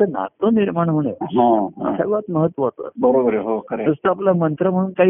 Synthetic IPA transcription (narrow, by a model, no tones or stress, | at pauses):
əna̰t̪əniɾmaɳ̃ɦuɳ̃eɦã̰sə̰ʋat̪məɦət̪ːʋəɦot̪ə̰bəɾobəɾeɦokəɾeəst̪əaplamənt̪ɾəm̤əɽ̃uːnkaɦi